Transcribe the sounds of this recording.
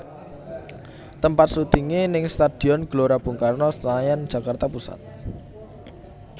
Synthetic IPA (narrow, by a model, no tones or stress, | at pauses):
t̪əmpat̪sut̪iŋenɪŋst̪ad̥i̤ɔnɡ̥loɾab̥ṳŋkarnɔst̪ajand̥ʒ̥a̤kart̪apusa̰t̪̚